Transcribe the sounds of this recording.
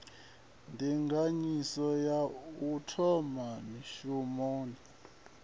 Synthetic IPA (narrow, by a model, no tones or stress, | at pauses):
ndʱiŋɡʱaɲisɔjautʰɔmaniʃumoːni